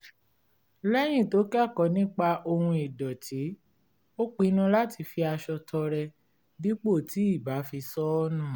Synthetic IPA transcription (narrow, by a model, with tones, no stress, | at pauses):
lɛ˦j̃ĩ˦˨to˨˦kɛ˦˨kɔ˨nĩ˦k͡pa˧ʔo˧hũ˧i˨dɔ˨tʰi˨˦ | o˦k͡pi˧˦nũ˦la˦ti˧fi˧a˧ʃɔ˧tʰɔ˧ɾɛ˧ | bi˦k͡po˦˨ti˨˦i˦˨ba˨˦fi˧sɔ˦ɔ˦nũ˦˨